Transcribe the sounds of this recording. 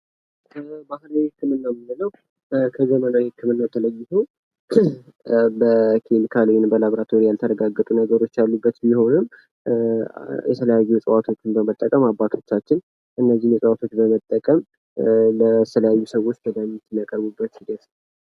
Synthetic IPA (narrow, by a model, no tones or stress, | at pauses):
ʔkʰəbahlawihɨkːɨmɨnːamɨnːɨləw | kʰəzəmənawhɨkʰːɨmɨnːat̪ʰələjːɪhəw | bəkʰemikʰaljɪnbəlaβɾat̪ʰoɾijalt̪ʰəɾəɡaɡːət̪ʼunəɡəɾo̞t͡ʃːjalːubːət̪biho̞nɨm | jɛ̰t̪ʰələjajːusʼəwat̪ʰo̞t͡ʃːɪnbəmət̪ʼːəkʼəmabːat̪ʰo̞t͡ʃːat͡ʃːɪn | ʔɨnːəzːihmjɛsʼəwat̪ʰo̞t͡ʃːbəmət̪ʼːəkʼəm | lət̪ʰələjajːusəwo̞t͡ʃːbəd̪amːit̪ʰːɨnakʼəɾbubːət̪hiɡ̪ət̪nə